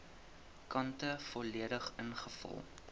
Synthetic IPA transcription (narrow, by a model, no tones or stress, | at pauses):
kɐntəfɔliədəχənχəfɐ̰lˠ